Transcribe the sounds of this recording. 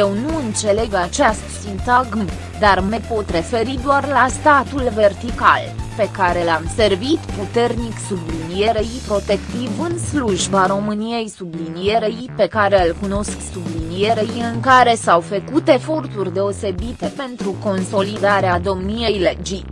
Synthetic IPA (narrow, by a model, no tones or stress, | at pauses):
jewnuɨnt̪se̞le̞ɡat͡ʃast̪sint̪aɡm | d̪armepo̞t̪re̞fe̞ɾid̪oarlast̪at̪ulve̞rt̪ika̰lpe̞kaɾe̞lamse̞rvit̪put̪e̞rniksublinije̞ɾejpɾo̞t̪e̞kt̪ivɨnsluʒbaɾo̞mɨnije̞jsublinije̞ɾejpe̞kaɾe̞ɨlkuno̞sksublinije̞ɾejɨŋkaɾe̞sawfəkut̪e̞fo̞rt̪urʲd̪e̞o̞se̞bit̪e̞pe̞nt̪ɾuko̞nso̞lid̪aɾead̪o̞mnije̞jled͡ʒi